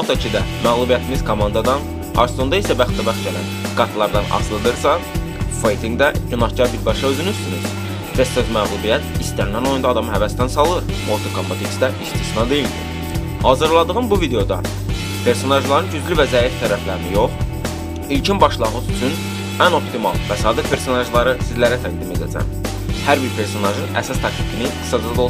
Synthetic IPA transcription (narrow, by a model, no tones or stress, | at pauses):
mot̪ʰɑcʰid̪æmæɣlˠubijæt̪ʰimiz̥kʰomɑnd̪ɑd̪ɑn | ɑ̰ɾst̪o̞nd̪ɑisæbæχt̪ːæbæχɟælænɡɑt̪ʰlˠɑɾd̪ɑnɑ̰slˠɯd̪ɯɾsɑ | fejt̪ʰiŋɡd̪æɟynɑhcɑɾbiɾbɑʃɑø̞zynyzt̪ynyz̥ | t̪ʰest̪ot̪mæɣlˠubijæt̪ʰist̪ænːæno̞jund̪ɑːd̪ɑmɦævæst̪ænsɑlˠɯɾmot̪ʰokʰompot̪iksd̪æʔist̪ʰisnɑd̪e̞jild̪ḭ | hɑːzɯɾlˠɑd̪ɯʁɯnbuvid̪e̞jo̞d̪ɑ̰ | pʰe̞ɾso̞nɑʒlˠɑɾɯnɟyzlyvæzæːjift̪ʰæɾæflæɾinijo̞χ | ilcʰinbɑʃlˠɑʁɯzyt͡ʃ̪ʰyn | æno̞pt̪ʰimɑ̰lˠvæsɑːd̪ipʰe̞ɾso̞nɑʒlˠɑɾɯsizlæɾæt̪ʰæɟd̪ime̞d̪æt͡s̪ʰæ̰m | hæɾbiɾpʰe̞ɾso̞nɑʒɯnæ̰sɑst̪ʰɑk̚t̪ʰi̥kʰiniɡɯ̥sɑd͡ʒɑd̪o